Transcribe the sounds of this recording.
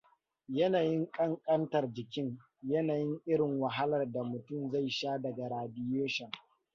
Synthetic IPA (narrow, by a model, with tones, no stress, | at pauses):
jɐ˦naː˨jɪ˦ŋkʼɐ˦ŋkʼɐ˦ntɐ˨rd͡ʒɪ˨kʲɪ˦ŋ | jɐ˦naː˨jɪ˦ŋʔɪ˦ɾɪ˨ŋwɐ˨ɦa˦lɐ˨rda˨mʊ˨tʊ˦˨mza˦˨jʃaː˦dɐ˨ɡa˨ɾaː˨dɪ˦jeː˦ʃɛ˨ŋ